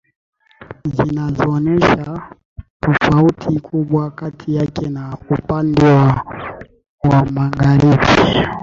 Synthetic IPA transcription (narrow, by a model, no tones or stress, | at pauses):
zinazɔːnɛʃa | tɔfautʰikʰuɓwakatʰijakɛnaupandɛwa | wamaɡaɾiɓi